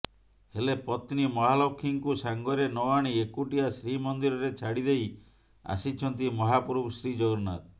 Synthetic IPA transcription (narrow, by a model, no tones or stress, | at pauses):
helepɔt̪nimɔɦalokʰːiŋkusaŋɡɔɾenɔaɽ̃iekuʈiasɾimɔnd̪iɾɔɾet͡ʃʰaɽid̪ej | a̰sit͡ʃʰɔnt̪imɔɦapuɾubsɾid͡ʒɔɡɾnat̪̚